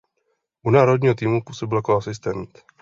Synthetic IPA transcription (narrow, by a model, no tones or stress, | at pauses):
ʔunaːɾod̚ɲiːɦot̪iːmupuːsobɪljakoasɪst̪ɛːmt̪